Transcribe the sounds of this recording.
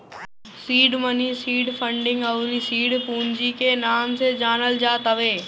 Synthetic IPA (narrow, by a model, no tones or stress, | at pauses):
siːɖmənisiːɖpʰə̃ɳɖɪ̃ŋɡəʊɾisiːɖpuːnd͡ʒikenaːmsed͡ʒaːnəld͡ʒaːt̪əʋeː